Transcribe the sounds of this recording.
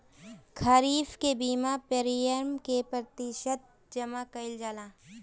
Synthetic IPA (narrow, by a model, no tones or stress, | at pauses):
kʰaːɾiːfkebiːmapeːɾijəɾmkepɾət̪ɪʃət̪̚ | d͡ʒɐmakɐɪld͡ʒaːlaː